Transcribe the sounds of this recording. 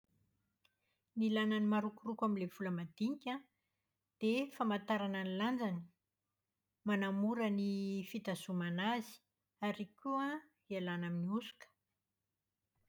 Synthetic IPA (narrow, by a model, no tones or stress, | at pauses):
nilananimaɾukurukaminlev̥uləmad̪iŋikʲa | d̪̥efamat̪aɾananiland͡zani̥ | manamuɾənifit̪azumanazi̥ | aɾikua | ialanaminiusu̥kə̥